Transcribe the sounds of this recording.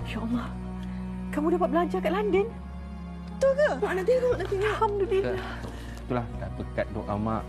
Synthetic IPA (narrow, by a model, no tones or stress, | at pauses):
ʃɔʔala | kamũdapat̪̚bəlaɲd͡ʒakaʔlandən | t̪ukənat̪inat̪iahamdulila | t̪ulahta̰pəkat̪̚dɔ̰ʔa̰ma̰ʔ